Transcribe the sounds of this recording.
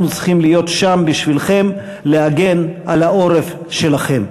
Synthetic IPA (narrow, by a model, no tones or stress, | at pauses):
nut͡siχimlijo̞t̪ʃambiʃvilχe̞m | le̞aɡe̞nʔalaʔoʁef | ʃe̞laχe̞m